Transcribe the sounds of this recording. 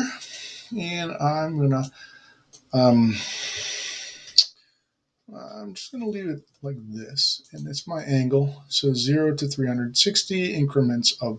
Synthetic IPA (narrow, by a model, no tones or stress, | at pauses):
ɨ̃nãɪ̃mɡʌnə | ʌ̃m | ã̰ɪ̃md͡ʒʌ̥sɡ̥ʌnəlivɨt̚laɪk̚ðɪsɨ̃nɨtsmaɪʔæ̃ŋɡl̩ˠsoʊzɪɹoʊɾɨθɹihʌ̃ndəd̥sɪkstiɪ̃ŋkʰɹɨmɨ̃ntsʌv